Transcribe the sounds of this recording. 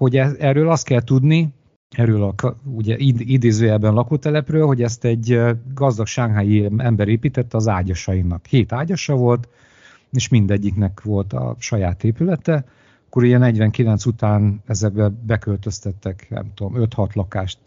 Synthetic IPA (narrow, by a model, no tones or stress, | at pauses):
ho̞ɟɛɛrøːlɒst̪̚kɛlt̪ud̪ni | ɛɾøːlɒkuɟɛʔiid̪eːzøːjɛbːɛnlɒkult̪ɛlɛprøːlho̞ɟɛst̪ɛɟːɡɒzd̪ɒkʃaːɡɦaːjiɛmbɛɾeːpiːt̪ɛt̪ːɒzaːɟɒʃɒjinɒkheːt̪aːɟɒʃɒvo̞lt̪ | eːʃmind̪ɛɟːiknɛkʋo̞lt̪ɒ̰ʃɒjaːt̪eːpylɛt̪ɛ | ɒkːoɾuɟɛnɛɟvɛŋkilɛnsut̪aːnɛzɛɡ̚bɛbɛkølt̪øst̪ɛt̪ːɛknɛ̰mt̪ud̪omøt̪hɒt̪lɒkaːʃt̪